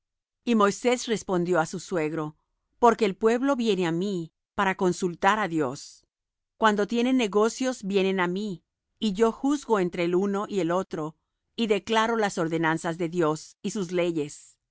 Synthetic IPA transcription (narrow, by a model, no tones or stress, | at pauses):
imo̞jse̞sre̞spo̞nd̪jo̞asuswe̞ɣɾo̞ | po̞ɾke̞ːlpwe̞βlo̞βje̞ne̞ami | paɾako̞nsult̪aɾaðjo̞s | kwand̪o̞t̪je̞ne̞nːe̞ɣo̞sjo̞zbje̞ne̞namiː | ʝo̞xuzɣo̞e̞nt̪ɾe̞ːluno̞ʔie̞lo̞t̪ɾo̞ | iðe̞klaɾo̞laso̞ɾðe̞nansazðe̞ðjo̞sisuzle̞ʝe̞s